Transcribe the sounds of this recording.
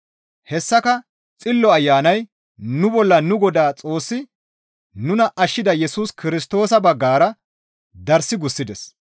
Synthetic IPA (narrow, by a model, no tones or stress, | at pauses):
hɛsːɐkɐ | t͡sʼɪlːɔɐjːaːnɐj | nʊbɔlːɐnʊɡɔd̪aːt͡sʼo̞ːsːɪ | nʊnɐʔɐʃːɪd̪ɐjɛsuːskɪɾɪs̬t̪o̞ːsɐbɐɡːaːɾɐ | d̪ɐɾsɪɡʊsːɪd̪ɛs